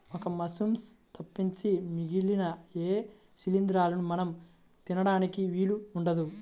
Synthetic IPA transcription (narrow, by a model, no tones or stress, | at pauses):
okɐmɐsumst̪ɐpːiɲt͡ʃimiɡilinɐeː | silind̪ɾaːlunumɐnɐm | t̪inɐɽaːnikiʋiːluuɳɖɐd̪u